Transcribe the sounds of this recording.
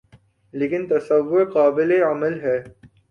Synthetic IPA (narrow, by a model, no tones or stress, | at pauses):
leːkɪnt̪ɐsɐʋːʊɾqaːbɪleɐməlɦɛː